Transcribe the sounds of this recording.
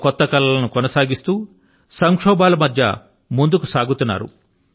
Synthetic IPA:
kɔt̪ːɐkɐlːɐlɐnukɔnɐsaːɡist̪uː | sɐŋkʂɔːbaːlɐmɐd̪ʱjɐ̰ | mund̪ukusaːɡut̪unːa̰ːɾṵ

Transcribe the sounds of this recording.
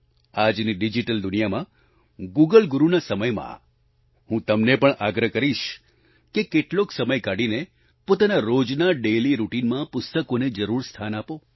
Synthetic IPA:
ad͡ʒniɖid͡ʒiʈəld̪ʊnijamã | ɡuɡəlɡuɾunasəməjmã̰ | hũt̪əmnepəɳʔaɡɾəkəɾiʃ | kekeʈloksəməjkaɽine | pot̪anaɾod͡ʒnaɖeliɾuʈinmãpʊst̪əkoned͡ʒəɾuɾst̪ʰanapo

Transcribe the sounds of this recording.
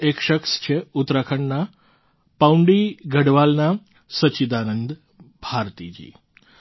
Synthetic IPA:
ekʃəkst͡ʃʰeut̪ɾakʰəɳna | pauɳɖiɡʱəɽʋalna | sət͡ʃid̪anənd̪ | bʱaɾt̪id͡ʒḭː

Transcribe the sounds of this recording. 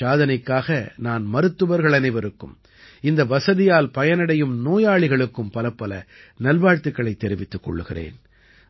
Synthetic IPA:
aːðɐnɐɪkːaːɣɐnaːnmɐɾɯt̪ːɯʋɐɾɣɐɭɐnɪʋɐɾɯkːɯ̰m | ɪnd̪ɐʋɐsɐðɪjaːlpɐjɐnɐɽɐjɯmnoːjaːɭɪɣɐɭɯkːɯmpɐlɐpːɐlɐnɐlʋaːɻt̪ːɯkːɐɭɐɪt̪ːɛɾɪʋɪt̪ːɯkːɔ̰ɭːɯɣɪ̰rḛːn

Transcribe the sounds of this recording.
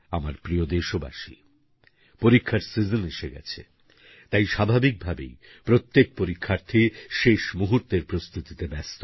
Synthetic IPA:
amaɾpɾiod̪eʃoba̰ʃi | poɾikʰːaɾsid͡ʑoneʃeɡɛ̰t͡ɕʰe | t̪ajʃabʱabik̚bʱabḛj | pɾot̪ːek̚poɾikʰːaɾt̪ʰiʃeʃmuɦuɾt̪eɾpɾost̪ut̪it̪ebɛst̪o

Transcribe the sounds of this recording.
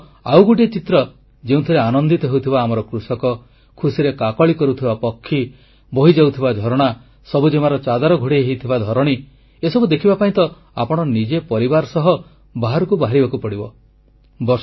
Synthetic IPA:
awɡuʈiet͡ʃit̪ɾɔ | d͡ʒeũt̪ʰɔɾeanɔnd̪it̪ɔɦewt̪ʰibaːmɔɾɔkɾusɔkɔ | kʰusiɾekakɔɭikɔɾut̪ʰibapɔkʰːi | boɦid͡ʒawt̪ʰibad̪ʱɔɾɔɽ̃a | sɔbud͡ʒemaɾɔt͡ʃad̪aɾɔɡʱoɽieɦit̪ʰibad̪ʱɔɾɔɽ̃i | esɔbud̪ekʰibapaĩnt̪ɔ | a̰pɔɽ̃ɔnid͡ʒepɔɾibaɾɔsɔɦɔ | baɦaɾɔkubaɦaɾibakupɔɽibɔ | bɔ

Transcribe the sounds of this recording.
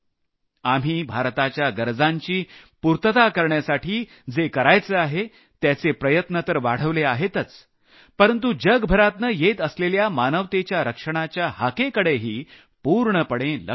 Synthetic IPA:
am̤iːbʱaɾt̪at͡ɕjaɡəɾd͡zaɲt͡ɕiːpuɾt̪ət̪akəɾɳjasaʈʰiː | d͡zekəɾajt͡səaɦe | t̪jat͡sepɾəjət̪nət̪əɾʋaɽ̤əʋleaɦet̪ət͡s | pəɾənt̪̬ud͡ʑəɡbʱəɾat̪nəjet̪əsleljamanəʋt̪et͡ɕjaɾəkʂəɽ̃at͡ɕjahakekəɽeɦiː | puɾɳəpəɽẽlə̰

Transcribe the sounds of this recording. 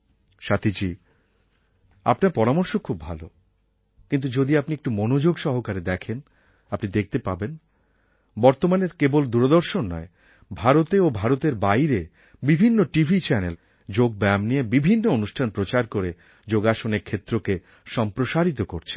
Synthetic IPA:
ʃat̪id͡ʑi | a̰pnaɾpɔɾamɔɾʃokʰːubːʱalo | kint̪ud͡ʑod̪iapniek̚ʈumonod͡ʑoɡʃɔɦokaɾed̪ɛkʰen | apnid̪ek̚ʰt̪epaben | bɔɾt̪omaneɾkebold̪uɾod̪oɾʃonːɔ̰e | bʱaɾot̪eobʱaɾot̪eɾbajɾe | bibʱinːoʈibʱit͡ɕɛnel | d͡ʑoɡ̚bɛmniebibʱinːoonuʃʈʰanpɾot͡ɕaɾkoɾe | d͡ʑoɡaʃoneɾkʰːet̪ːɾoke | ʃɔmpɾoʃaɾit̪oko̰ɾt͡ɕʰe̥n

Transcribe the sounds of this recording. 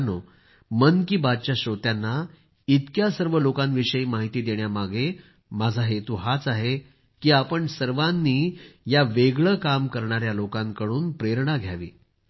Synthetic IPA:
no | mənkiːbad̪̚t͡ɕjaɕot̪janːa | it̪kjasəɾʋəlokãnʋiɕəiːmaɦit̪iːd̪eɳjamaɡʱe | mad͡zʱaɦet̪uːɦat͡saɦe | kiːapəɳsəɾʋanːiːjaʋeɡɭəkamkəɾɳaɾjalokãŋkəɽuːnpɾeɾɳaɡʱjaʋḭː

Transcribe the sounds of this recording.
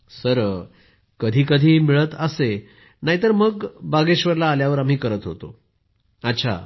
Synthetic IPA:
səɾ | kəd̪ʱiːkəd̪ʱiːmiɭət̪əse | naɦit̪əɾməɡbaɡeɕʋəɾlaːljaʋəɾam̤iːkəɾət̪ɦot̪o̰ | ətːɕʰa̰

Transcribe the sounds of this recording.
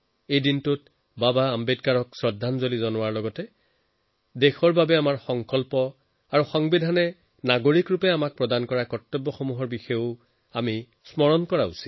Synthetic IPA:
ejdintut | babaːmbedkaɹɔksɹɔdʱːanzolizɔnʊwaɹlɔɡɔtɛ | dexɔɹbabɛamaɹxɔŋkɔlpɔ | aɹuxɔŋbidʱanɛ | naɡoɹikɹupɛamak̚pɹɔdankɔɹakɔtːɔbːɔxɔmuɦɔɹbixɔʊ | ami | smɔɹɔnkɔɹaṵsi̥

